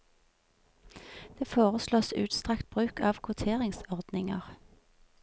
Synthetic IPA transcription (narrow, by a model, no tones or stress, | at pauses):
d̪̥eːfoːʁəsloːsʉ̰ːt̪st̪ʁɑkt̪̚bʁʉːkɑːʋkʰʊt̪ʰeːʁɪŋsɔʁd̪̥nɪŋəʁ